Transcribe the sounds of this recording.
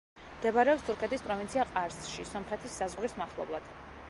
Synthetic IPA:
md̪ɛbaɾɛɔpst̪ʰuɾkʰɛt̪ʰispʼɾɔvint̪sʰiaqʼaɾsʃisɔmχɛt̪ʰisːazʁɾismaχlˠɔ̰blˠad̪̥

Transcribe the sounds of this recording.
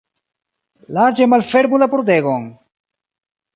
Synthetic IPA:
laɾd͡ʒe̞malfeɾmulapɾod̪eɡon

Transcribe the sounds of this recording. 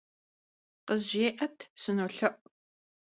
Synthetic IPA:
qəzʒeːʔɐtʰsɨnoːɬɐʔ

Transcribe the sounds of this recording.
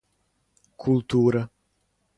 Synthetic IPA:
kʰult̪uːɾa

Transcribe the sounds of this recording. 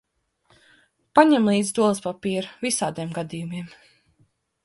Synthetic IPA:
paɲɛmlˠiːd̪zd̪uɔlˠɨspapiːɾvisaːd̪iɛmɡad̪ijumiɛm

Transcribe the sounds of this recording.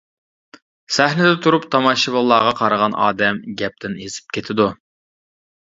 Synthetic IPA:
sæhnɪd̪ɛt̪ʰuɾupt̪ʰɑmɑʃɨbəlˠːɑːʁɑqʰɑɾəʁɑnɑ̰ːd̪ɛmɡʲɛp̚t̪ʰɪnezɪ̥p̚kʲʰet̪ʰɪd̪u

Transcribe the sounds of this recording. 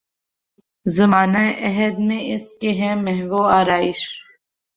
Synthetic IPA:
zɐmaːnaeʔɐɦəd̪mẽɪskeɦɛ̃mɛɦʋoːaːɾaːɪʃ

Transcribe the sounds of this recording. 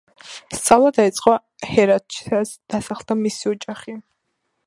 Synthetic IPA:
st̪sʼavlˠad̪ait̪sʼqʼwa | hɛɾat̪̚t͡ʃʰi̥sasd̪̥asaχlˠd̪amisiɔd͡ʒʼaχi

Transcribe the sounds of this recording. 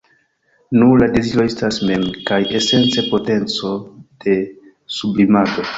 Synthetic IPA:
nulade̞ziɾoe̞stasme̞mkaje̞se̞nt͡se̞po̞te̞nt͡so̞d̥e̞ | sublimado̞

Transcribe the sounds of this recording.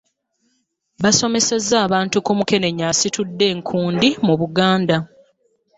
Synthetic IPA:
βaso̞me̞sezːaːβaːntukumuke̞ne̞ɲaːsitudːe̞ːŋkʰuːndimuβuɡaːnda

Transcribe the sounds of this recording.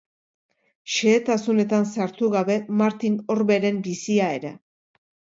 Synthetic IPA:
ʃeːt̪asune̞t̪ansaɾt̪uɣaβe̞maɾt̪ino̞ɾβe̞ɾe̞mbisiae̞ɾe̞

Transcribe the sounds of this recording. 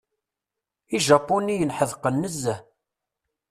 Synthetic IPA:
iʒɑpːunijənħəðqənːəzːæ

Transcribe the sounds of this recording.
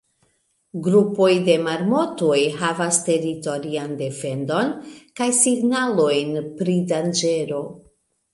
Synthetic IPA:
ɡɾupo̞jde̞maɾmo̞tojɦavaste̞ɾito̞ɾiande̞fe̞ndo̞nkajsiɡnalo̞jnpɾidand͡ʒe̞ɾo̞

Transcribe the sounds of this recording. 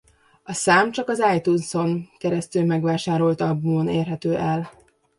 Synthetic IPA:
ɒsaːmt͡ʃɒkɒzaːjt̪unso̞ŋkɛɾɛst̪yːmɛɡʋaːʃaːɾo̞lt̪ɒbumoneːrɦɛt̪øːʔɛl

